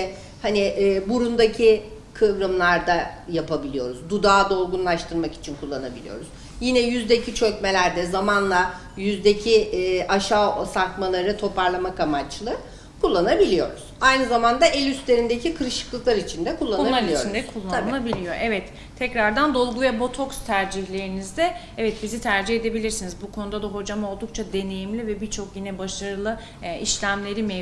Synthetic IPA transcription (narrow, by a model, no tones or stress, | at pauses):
haniʔːbuɾund̪acʰi | kʰɯvɾɯmlˠaɾd̪ajapʰabilʲijo̞ɾuzd̪ud̪aːd̪o̞lˠɡunlˠaʃt̪ʰɯɾmaki̥t͡ʃʰinkʰulˠːanabilʲḭjo̞̰ɾuz | jinɛjyzd̪ecʰit͡ʃʰøcme̞lʲæɾd̪ɛzamanlˠa | jyzd̪ecʰiʔaʃaːsaɾt̪malˠaɾɯt̪ʰo̞pʰaɾlˠamakamat͡ʃlˠɯ | kʰulˠːanabilʲijo̞ɾuz̥ajnɯzamand̪aʔelʲyst̪lʲe̞ɾind̪ecʰikʰɯɾɯʃɯ̥klˠɯklˠaɾit͡ʃʰind̪ɛkʰulˠːanuaaɾiot͡ʃɾind̪ɛkʰulˠːanɯlˠabilʲijo̞ʔɛvɛt̪ʰːɛcɾaɾd̪and̪o̞lˠɡuvɛbo̞t̪ʰo̞kst̪ʰæɾd͡ʒiçlʲe̞ɾinizd̪ɛ | ɛvɛt̪̚bizit̪ʰæɾd͡ʒihe̞d̪e̞bilʲiɾsinizbukʰo̞nud̪ad̪aɦo̞d͡ʒamo̞lˠd̪uk̚t͡ʃʰad̪e̞ne̞jimlʲivɛbiɾt͡ʃʰo̞kjinɛbaʃaɾɯlˠɯ | iʃlʲæmlʲe̞ɾimɛ